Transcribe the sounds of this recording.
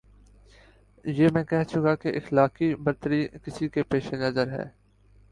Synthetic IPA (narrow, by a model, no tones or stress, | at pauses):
jeːmɛ̃ːkɛɦt͡ʃʊkakeʔɪxlaːkibɐɾt̪əɾikɪsikepeːʃenɐzəɾɦɛ̰ː